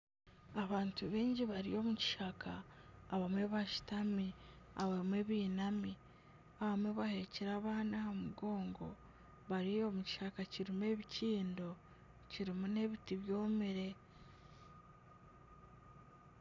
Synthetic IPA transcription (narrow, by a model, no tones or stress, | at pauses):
aβaːntuβiːɲɟiβaɾḭjo̞muci̥ʃakʰaːβamwe̞βaʃi̥tami | aβamwe̞ːβiːnami | aβamwe̞βahe̞ciɾaːβaːnaomuɡo̞ːŋɡo̞ | βaɾijo̞muci̥ʃakaciɾimwe̞ːβiciːndo̞ | ciɾimune̞βitiβjo̞ːmiɾe̞